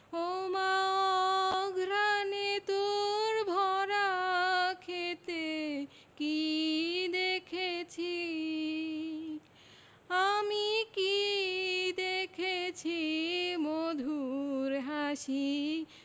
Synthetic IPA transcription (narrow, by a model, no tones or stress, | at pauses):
owmaoɡɾanet̪uɾbʱɔɾa | kʰet̪e | ki | d̪ekʰet͡ɕʰi | amiki | d̪ekʰet͡ɕʰimod̪ʱuɾɦaʃi